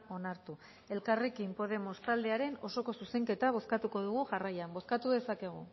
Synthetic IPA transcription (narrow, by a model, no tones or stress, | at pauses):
o̞naɾt̪u | e̞lkare̞kimpo̞ðe̞mo̞st̪ald̪e̞aɾe̞no̞so̞ko̞suse̞ŋke̞t̪aβ̞o̞skat̪uko̞ðuɣ̞uʝarajambo̞skat̪uðe̞sake̞ɣ̞ṵ